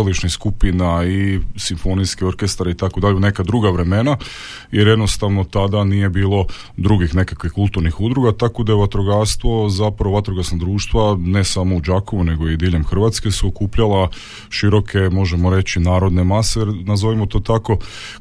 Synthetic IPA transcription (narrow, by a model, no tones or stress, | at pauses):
liʃniskupinaisiɱfo̞niskio̞ɾke̞st̪aɾeit̪akod̪aʎeune̞kad̪ɾuɡaʋɾe̞me̞na | jeɾje̞d̪no̞st̪aʋnot̪ad̪anije̞biːlˠo̞ | d̪ɾuɡixne̞kakʋixkulˠt̪uɾnixud̪ɾuɡat̪akod̪ajeʋat̪ɾoɡaɾst̪ʋo̞zapɾaoat̪ɾoɡasnad̪ɾuːʃt̪ʋane̞samo̞ud͡ʒako̞ʋune̞ɡo̞id̪iːʎe̞mxr̩ʋat̪ske̞suokuːpʎala | ʃiɾo̞kʰe̞mo̞ʒe̞moɾe̞t͡ɕinaːɾo̞d̪ne̞masejeɾnazo̞ʋimot̪o̞t̪ako̞